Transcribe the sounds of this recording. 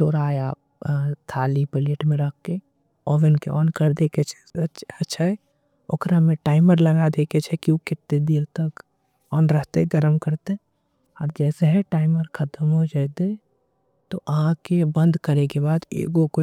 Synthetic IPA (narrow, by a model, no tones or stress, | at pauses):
toːɾaːea̰ːp̚t̪ʰaːlipɪleʈmẽɾək̚ʰke | ɔːʋɪnkeʔɔːnkəɾd̪eːket͡ʃʰɛ̥ətːʃʰaɦɛ | ʊ̰kɾamẽʈaːɪməɾlɐɡad̪eːkʰet͡ʃʰɛkiokɪt̪ːed̪eːɾt̪ək | ɔːnɾəɦt̪eɡəɾəmkəɾt̪e | ɔːɾd͡ʒɛːseɦɛ̃ʈaːɪməɾkʰət̪əmɦod͡ʒaːt̪e | t̪oʔəɦãkebə̃nd̪kəɾekebaːd̪ḛːɡoko